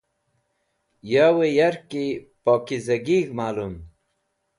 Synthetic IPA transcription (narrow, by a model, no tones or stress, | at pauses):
jawejɐɾkipoːkizɐɡiɡmaːlum